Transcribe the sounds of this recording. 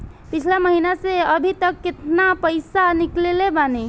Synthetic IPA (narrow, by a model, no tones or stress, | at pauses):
pit͡ʃʰlaməɦinaseəbʱit̪əkːet̪napəɪsaniklelebane